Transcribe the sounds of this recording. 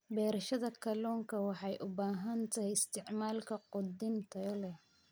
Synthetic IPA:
bɛːɾɐʃɐðɐkʰɐlɔːŋkʰɐwɑħɑjʔʊbaːɦɐnt̪ʰɐhɛjɪst̪ʰɪʕmaːlkʰɐqʊd̪ɪnt̪ʰɐɔlɛ

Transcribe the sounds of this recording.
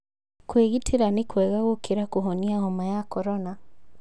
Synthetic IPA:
kweɣitʰeɾanekwɛːɣaɣokʰeɾakoɦɔniahɔmajakɔɾɔna

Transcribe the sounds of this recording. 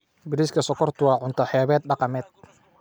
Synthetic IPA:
bɪɾiskʰɐsɔkʰɔrt̪ʰʊwɑːʕʊnt̪ʰɐħɛːβɛːd̪̚ɖɑqɑmɛːd̪̥̚

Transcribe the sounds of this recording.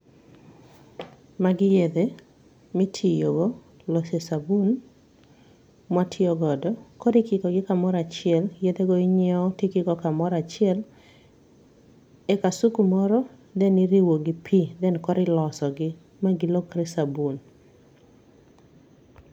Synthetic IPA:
maɡɪjed̪e | mɪtʰijoɡɔ | lɔsesabun | mwatʰɪɔɡɔdɔkɔɾɪkikɔɡɪkamɔɾat͡ʃɪɛljed̪eɡɔiɲɛɔtekɪɡɔkamɔɾat͡ʃɪɛl | ɛkasukumɔɾɔ | d̪ɛniɾiwoɡɪpʰid̪ɛnkɔɾɪlɔsɔɡɪ | maɡɪlokɾesabun

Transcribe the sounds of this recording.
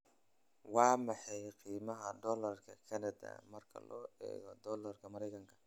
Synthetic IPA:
wɑːmɑħɑjqiːmɐɦɐd̪ɔːlɐrkʰɐkʰɐnɐd̪ɐ̰mɐrkʰɐ̰lɔ̰ːɛ̰ːɣɔd̪ɔːlɐrkʰɐmɐɾɛjkʰɐŋkʰɐ̥

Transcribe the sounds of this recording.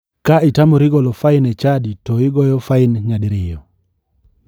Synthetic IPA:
kaɪtamɔɾiɡɔlɔfaɪnɛt͡ʃaditɔɪɡɔjɔfaɪnɲadiɾɪjɔ

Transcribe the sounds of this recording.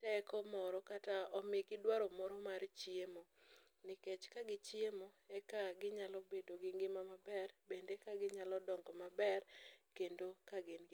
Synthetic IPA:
tɛkɔmɔɾɔkataɔmɪɡɪdwaɾɔmɔɾɔmaɾt͡ʃjemo | nɪket͡ʃkaɡɪt͡ʃiemo | ɛkaɡɪɲalɔbedoɡɪŋɡɪmamabɛrbendekaɡɪɲalɔdɔŋɡɔmabɛrkendokaɡɪnɡ

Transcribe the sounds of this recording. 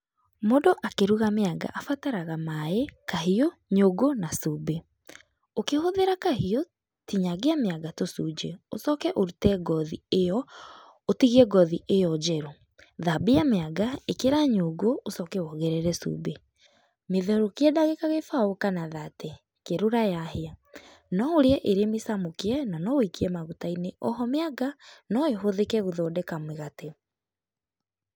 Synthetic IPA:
modoʔakeɾuɣameaɡa̰ʔafataɾaɣamaekaɦioɲoɡonasube | okehoðeɾakahio | tiɲaɣeameaɡatosud͡ʒeo̰sɔkɛʔoɾutɛɡɔðiejɔ | otiɣɛɡɔðiʔejɔd͡ʒɛɾo | ðabiameaɡaekeɾaɲoɡoosɔkɛwɔɣɛɾɛɾɛsṵbe | meðɛɾokeɛdaɣekaɣefaokanaðatɛ | keɾoɾajahea | nɔoɾeɛʔeɾemesamokeɛnanɔwikiɛmaɣutaineʔɔɦɔmeaɡanɔeɦoðekɛɣoðɔːdɛkamweɣate

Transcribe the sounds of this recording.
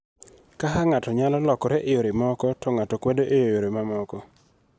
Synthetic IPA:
kaɦaŋatɔɲalɔlɔkɔɾeʔejoɾemɔkɔtɔŋatɔkwɛdoʔejojoɾemamɔkɔ

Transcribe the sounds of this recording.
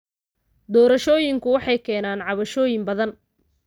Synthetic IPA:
d̪ɔːɾɐʃɔːjɪŋkʰʊwɑħɑjkʰɛːnaːnʕɑβɐʃɔːjɪmbɐðɐn

